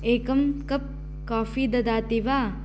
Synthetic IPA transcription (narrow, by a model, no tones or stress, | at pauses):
eːkɐmkɐp̚ | kaːfid̪ɐd̪aːt̪iʋaː